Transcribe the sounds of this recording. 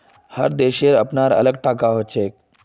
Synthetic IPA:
həɾd̪eɕeɾəpnaɾə̰ləɡ̚ʈakaɦot͡ʃek̚

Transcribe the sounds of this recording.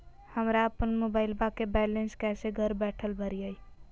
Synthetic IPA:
həmɾaəpənmobajlbakebɛlenskɛseɡʱəɾbɛʈʰəlbʱəɾijəj

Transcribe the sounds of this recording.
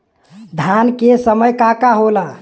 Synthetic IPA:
d̪ʱankesəməjkakaɦola

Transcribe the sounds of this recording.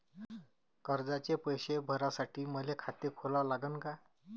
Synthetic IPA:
kəɾd͡zat͡ɕepəjɕebʱəɾasaʈiːməlekʰat̪ekʰolalaɡənka

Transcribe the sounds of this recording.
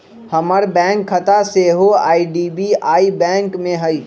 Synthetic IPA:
həməɾbɛ̃ːŋkʰːət̪aseɦoa̰ːiɖiːbiaːibɛ̃ːŋkmẽɦəi

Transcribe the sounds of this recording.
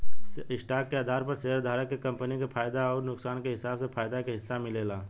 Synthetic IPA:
ɪsʈaːkːeaːd̪ʱaːɾpəɾseɦəɾd̪ʱaːɾəkːekɐ̃mpənikepʰaːjd̪aɔːɾnʊksaːnkeɦɪsaːbsepʰaːjd̪akeɦɪsːamɪleːlaː

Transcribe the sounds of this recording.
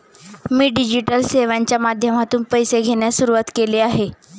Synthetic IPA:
miːɖid͡ʑiʈəlseʋaɲt͡ɕjamad̪ʱjəmat̪uːnpəjseɡʱeɳjasuɾuʋat̪keleaɦe

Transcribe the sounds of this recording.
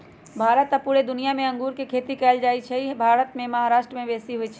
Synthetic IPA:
bʱaːɾət̪apuːɾed̪ʊnijamẽɐ̃ŋɡuːɾkekʰeːt̪ikɛːld͡ʒaːit͡ʃʰɛbʱaːɾət̪mẽmɐɦaɾaːʃʈɾəmẽbeːsiɦʊit͡ʃʰɛ

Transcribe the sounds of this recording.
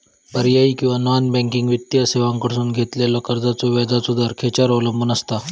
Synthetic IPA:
pəɾjaiːkĩw̃ʋananbɛ̃ŋkĩŋɡʋit̪ːjaseʋãŋkəɽsuːnɡʱet̪lalɔkəɾd͡zat͡sɔʋad̪ʱasud̪ʱəɾkʰet͡ɕaɾɔʋləmbənəst̪a

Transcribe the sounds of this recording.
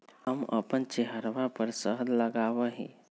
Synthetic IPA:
həmə̰pənt͡ʃeɦəɾʋapəɾsəɦd̪ləɡaʋəɦḭ̃

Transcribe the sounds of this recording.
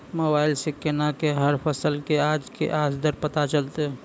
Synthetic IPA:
moːbaːɪlsekenakeɦəɾpʰəsəlkeaːd͡ʒkḛʔaːsd̪əɾpət̪at͡ʃəlt̪eɦɛ

